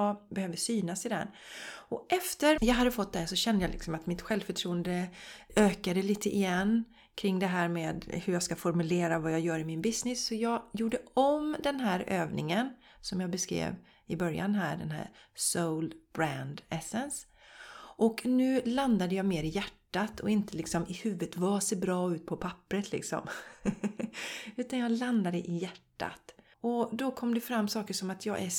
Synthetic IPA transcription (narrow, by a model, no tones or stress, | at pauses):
bɛhøːvəsyːnasɪd̪ɛ̰ɾɔʔɛft̪əɾjɑːɡɦad̪ːəfɔt̪̚ːd̪æsɔɕɛnd̪əjaːlɪ̰ksɔmat̪mɪt̪ɧɛlvfəʈʰɾuːənd̪əøːkad̪əliːt̪ʰəʔɪjɛnː | kʰɾɪŋːd̪ɛɦæːɾmeːd̪hɵɾjaːskafɔɾmɵleːɾavajɑːjœːɾɪmɪnbɪsnɪsːɔjɑːjuːɖəɔmd̪ɛnɦæːɾøːvnɪŋən | sɔmjɑːɡbɛskɾḛːv | ɪbœɾja̰nɦæ̰ːɖɛnɦæ̰ːɾsoʊlb̥ɾænd̪ɛsɛns | ʔɔknʉ̟ːland̪ad̪əjɑːmeːɾɪjæʈːat̪ʰɔɪnt̪əlɪksɔmɪhʉ̟ːvət̪vaseːɾbɾɑːʉ̟ːt̪̚pʰɔpʰapːɾət̪ʰlɪ̰ksɔ̰m | ʉ̟ːt̪anjɑːɡland̪ad̪əʔɪjæʈːa̰t̪ | ɔd̪ɔkʰɔmd̪ɛfɾamːsɑːkəʂɔmat̪ʰjɑːɡʔæ